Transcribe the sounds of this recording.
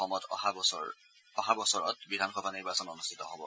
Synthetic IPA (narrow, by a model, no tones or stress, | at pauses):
ɔmɔtʰhabɔɔ | ɔɦabɔsɔɹɔ̰tbidʱanxɔbʱaniɹbasɔnɔnustʰitɔɦɔbɔ̰